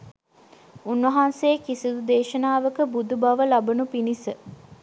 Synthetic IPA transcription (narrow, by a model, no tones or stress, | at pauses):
unʋɐɦanseːkisid̪ud̪eːʃənaːʋəkəbud̪ubaʋəlabənupinisə